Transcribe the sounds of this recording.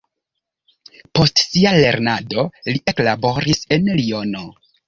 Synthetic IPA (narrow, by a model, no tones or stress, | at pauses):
po̞stsiale̞ɾnado̞liʔe̞klabo̞ɾise̞nlio̞no̞